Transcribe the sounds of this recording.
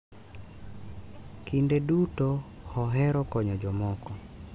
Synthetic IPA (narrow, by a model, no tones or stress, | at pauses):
kindeduto | hɔɦɛɾɔkɔɲɔd͡ʒɔmɔkɔ